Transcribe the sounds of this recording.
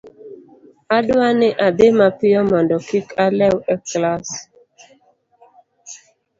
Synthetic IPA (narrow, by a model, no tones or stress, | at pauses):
adwaneʔademapɪjɔmɔndɔkikʰalɛwɛklas